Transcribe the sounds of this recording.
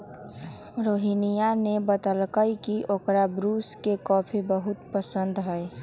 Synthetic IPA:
ɾoːɦinijanebət̪əlkəjkiʔokɾabɾuːskekɔpʰibəɦʊt̪pəsənd̪ɦəe

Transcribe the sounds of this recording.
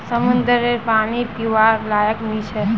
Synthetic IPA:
səmʊnd̪əɾepaːñipjuʋalaːjəkmit͡ʃʰe

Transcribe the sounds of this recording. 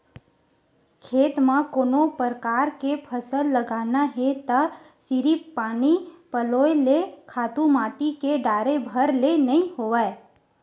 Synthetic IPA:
kʰeːt̪mãkoːnopəɾkaːɾkepʰəsəlːəɡaːnaɦet̪ə | sɪɾipːaːnipəloːelekʰaːt̪ũmaːʈikeɖaːɾebʱəɾlenəɦĩhoʋae

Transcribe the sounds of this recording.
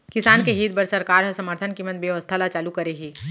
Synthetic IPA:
kɪsaːnkeɦiːt̪̚bɐɾsɐɾkaːɾɦɐsɐməɾt̪ʰənkimɐ̃nd̪bjeʋəst̪ʰalat͡ʃaːlukɐɾeɦiː

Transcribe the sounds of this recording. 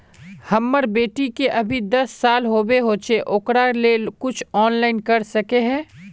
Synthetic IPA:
hɐmːəɾbeːʈikeʔɐbʱid̪ɐsːaːlɦoːbeɦoːt͡ʃeʔoːkɾalekʊt͡ʃʰɔːnlaːɪnkɐɾsɐkeɦɛ̃ː

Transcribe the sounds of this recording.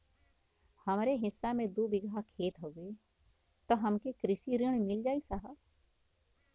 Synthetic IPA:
hɐmɾeɦɪsːamẽd̪uːbɪɡʱakʰeːt̪ɦoːɡe | t̪oɦɐmkekɾɪʃiɾəɳ̃mɪld͡ʒaːisaɦə

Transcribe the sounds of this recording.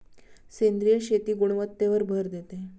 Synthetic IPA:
send̪ɾijəɕet̪iːɡuɽ̃ʋət̪ːeʋəɾbʱəɾd̪et̪e

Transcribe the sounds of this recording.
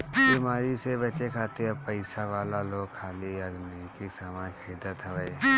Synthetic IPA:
bimaːɾisebɐt͡ʃekʰaːt̪eɐbpəɪsaʋaːlaloːɡkʰaːliɐɡniikisamãːkʰeːd̪ət̪ɦəʋəe

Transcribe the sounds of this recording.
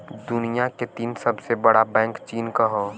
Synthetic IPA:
d̪ʊnijaket̪iːnsɐbsebəɽabɛ̃ːŋkt͡ʃiːnkaɦoː

